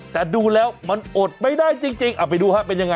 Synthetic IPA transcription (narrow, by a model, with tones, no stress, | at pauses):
t̪ɛː˨˩duː˧lɛː˦˥wma˧nʔo˨˩t̪̚ma˥˩jdaː˥˩jt͡ɕi˧ŋt͡ɕi˧ŋʔaː˨˩pa˧jduː˧ha˦˥pe˧nja˧ŋa˧